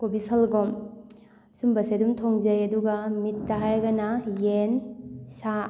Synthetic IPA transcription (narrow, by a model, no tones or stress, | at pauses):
kobisɐlɡɔm | sumbɐsedumtʰɔŋzɐjɐduɡɐmitːaɦaɾɡanajensa